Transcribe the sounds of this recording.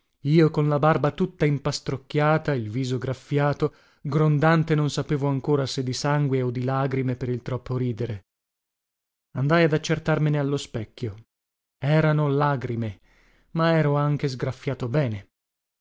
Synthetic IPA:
iːokonlabarbat̪ut̪ːaimpast̪ɾokːjaːt̪ailviːzoɡɾafːjaːt̪o | ɡɾond̪ant̪enonsapeːvoaŋkoːɾased̪ːisaŋɡweod̪ːilaːɡɾimepeɾilt̪ɾɔpːoɾiːd̪eɾe | and̪ajad̪at͡ʃːert̪armenealːospɛkʲːjo | ɛːɾanolaːɡɾime | maɛːɾoaŋk̟ezɡɾafːjaːt̪obɛːne

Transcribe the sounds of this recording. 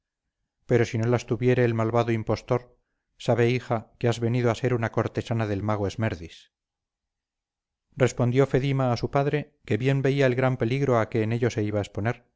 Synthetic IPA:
pe̞ɾo̞sino̞last̪uβje̞ɾe̞ːlmalβaðoimpo̞st̪o̞ɾ | saβe̞ixakeazβe̞niðoase̞ɾunako̞ɾt̪e̞sanaðe̞lmaɣ̞oezmeɾðis | re̞spo̞nd̪jofe̞ðimaːsupaðɾe̞ | ke̞βje̞mbe̞iaelɣɾampe̞liɣɾo̞ake̞ːne̞ʎo̞se̞iβaespo̞neɾ

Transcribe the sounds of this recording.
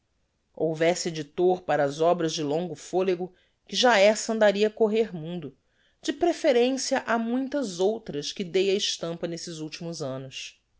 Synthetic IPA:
owvɛsɪed͡ʒit̪oɾpaɾɐːzɔbɾɐzd͡ʒɪlõŋɡʊfoleɡʊ | kɪʒaɛsɐ̃nd̪aɾiɐkoɦeɾmũnd̪ʊ | d͡ʒɪpɾefeɾẽsijɐʔamũj̃t̪ɐzowt̪ɾɐskɪd̪ejɐɪʃt̪ɐ̃mpɐnesɪzuwt͡ʃimʊzɐ̃nʊs

